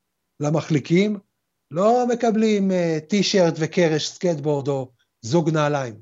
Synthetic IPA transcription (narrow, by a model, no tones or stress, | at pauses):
lamaχlikim | lo̞me̞kablimet̪iʃeʁt̪vekeʁeʃsket̪̚bo̞ʁd̪o̞ | zuɡnaːlajm